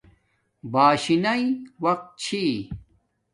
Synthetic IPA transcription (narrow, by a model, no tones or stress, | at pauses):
baːɕinɐiwɐq̚t̪̚t͡ɕʰi